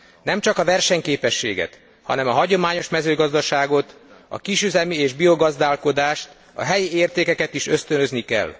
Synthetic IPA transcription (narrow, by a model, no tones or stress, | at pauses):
nɛmt͡ʃɒkɒvɛrʃɛɲkeːpɛʃːḛːɡɛ̰t̪ | hɒ̰nɛmɒɦɒɟo̞maːɲo̞ʃmɛzøːɡɒzd̪ɒʃaːɡo̞t̪ɒ̰kiʃyzɛmieːʒbio̞ɡɒzd̪aːlko̞d̪aːʃt̪ | ɒ̰ɦɛjieːrt̪eːkɛkɛt̪iʃø̞st̪ønø̞znikɛ̰lː